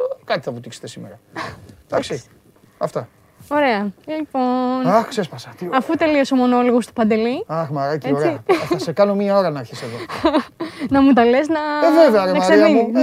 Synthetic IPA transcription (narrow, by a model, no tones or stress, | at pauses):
kɐt̪i̥θɐput̪ikset̪e̞simḛɾɐd̪̥ɐksi | ɐft̪ɐ | oɾeɐliponɐxksespɐsɐt̪iɐfut̪e̞lioso̞mo̞no̞loɣost̪o̥pɐnd̪e̞liɐxmɐɾɐcieoɾeɐssekɐnomiɐo̞ɾɐnɐːɾçiseðo | nɐmut̪ɐleznɐeveveɐɾenɐmɐsɾeiɐmu